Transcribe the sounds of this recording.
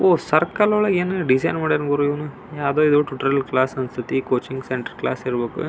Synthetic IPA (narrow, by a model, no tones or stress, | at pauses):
oːsɐɾkaːlɐɔɭɐɡeːnɖisɐjnmaːɽeɾnɡoɾuiʋɐnu | jaːd̪oːid̪uʈuʈɐɾɐlklaːsɐnst̪ʰit̪ikoːt͡ʃiŋɡseɳʈɐɾkla̰ːsiɾbeːkṵ